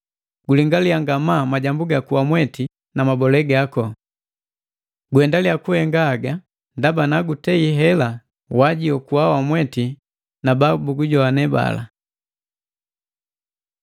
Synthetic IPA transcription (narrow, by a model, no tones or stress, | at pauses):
ɡuliŋɡaliaŋɡamamaɟambuɡakuwamwɛti | namabɔlɛɡakɔ | ɡwɛndalijakuhɛŋɡaːɡa | ndabanaɡutɛiɦɛla | waɟiɔkuawamwɛti | nababuɡuɟɔanɛba̰la̰